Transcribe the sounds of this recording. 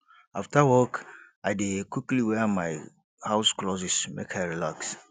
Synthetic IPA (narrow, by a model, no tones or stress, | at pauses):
aftawɔk | ajdekwikliwɛmaj | haʊsklɔsismḛkhəɹilaks